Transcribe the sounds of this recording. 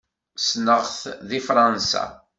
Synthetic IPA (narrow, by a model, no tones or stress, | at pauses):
snəʁθðifɾˤɑnsa̰